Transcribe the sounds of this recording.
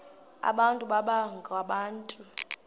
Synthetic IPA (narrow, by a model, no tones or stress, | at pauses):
a̰ɓantʼuɓaɓaŋɡʱwaɓaːntʼu